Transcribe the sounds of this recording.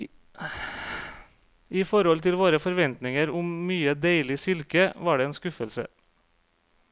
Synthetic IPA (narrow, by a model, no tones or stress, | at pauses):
iːfɔɾhɔlt̪ʰɪlʋoːɾəfɔɾʋɛnt̪nɪŋəɾʊmmyːəd̪eɪlɪsɪlkəʋɑːɖeːeːnskʉfəlsə̰